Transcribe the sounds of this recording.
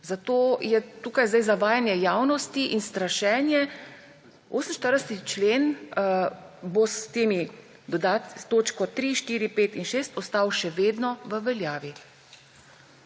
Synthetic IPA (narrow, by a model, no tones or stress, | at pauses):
zat̪oːjɛt̪uːkajzd̪ajzaʋaːjanjɛjaːwnɔst̪iʔinst̪ɾaʃɛːnjɛ | oːsəm̩nʃt̪əɾd̪ɛsɛt̪it͡ʃleːn | bost̪eːmi | d̪ɔd̪aːt̪st̪oːt͡ʃkɔt̪ɾiʃt̪iːɾipeːt̪inʃeːst̪ɔst̪aːwʃɛʋeːd̪nɔʋəʋɛljaːʋi